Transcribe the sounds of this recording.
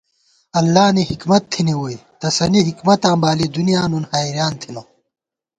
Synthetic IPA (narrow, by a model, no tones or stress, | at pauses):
ɐlːaːniɦikmɐt̪ʰːiniwoit̪ɐsɐniɦikmɐt̪ãːbaːlid̪unijaːnunhaːiɾjaːnt̪ʰino